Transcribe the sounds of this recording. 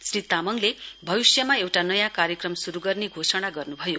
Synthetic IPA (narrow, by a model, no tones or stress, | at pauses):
srit̪amʌŋlebʱʌβisjʌmaewʈanʌjãkaɾjʌkrʌmsuɾuɡʌrneɡʱosʌɽ̃aɡʌrnubʱʌjo